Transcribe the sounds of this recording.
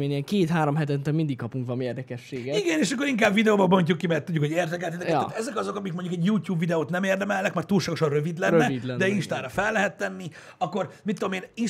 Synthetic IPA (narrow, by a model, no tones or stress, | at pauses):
eːɲɛŋkeːt̪haːɾomɦɛt̪ɛnt̪ɛlmind̪ikkɒpuŋkʋɛmieːrd̪ɛkɛʃːeːɡɛiɡɛneːʃɒkːoɾiŋkaːbvid̪ɛoːbɒbo̞ɲcukːimɛrt̪udɟːukhoɟeːrd̪ɛkɛlt̪id̪ɛkɛt̪ːt̪ɛzɛkɒzo̞kɒmikmoɲɟukɛɟjuːtjuːbvid̪ɛoːt̪nɛmeːrd̪ɛmɛlːɛkmɛrt̪ːuːlʃaːɡo̞ʃɒnrø̞vid̪lɛnɾːɛid̪d̪ɛiʃt̪aːɾɒfɛlːɛɦɛt̪ːɛnːi | ɒkːo̞rmit̪ːod̪omeːni